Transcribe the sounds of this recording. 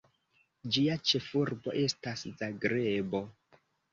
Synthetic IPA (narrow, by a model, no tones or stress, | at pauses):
d͡ʒiat͡ʃe̞fuɾbo̞ʔe̞staszaɡɾebo̞